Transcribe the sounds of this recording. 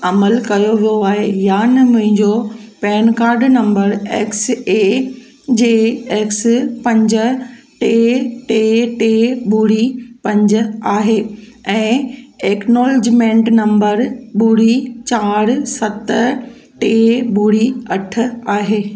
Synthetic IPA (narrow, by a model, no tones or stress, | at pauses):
ɐməlkɐjoʋijoaːɦejaːnemʊ̃ɦɪ̃ɲd͡ʑopɛːnkaːɾɖnɐ̃mbəɾeːkse | d͡ʑeːeːkspɐ̃ɲd͡ʑə̆ | ʈeːʈeːʈeːɓuːɽipɐ̃ɲd͡ʑə̆aːɦeː | ɛ̃ːeːknoːld͡ʑmẽːɳʈnɐ̃mbəɾɓuːɽit͡ɕaːɾsɐt̪ | ʈeːbuːɽiɐʈʰʊ̆aːɦeː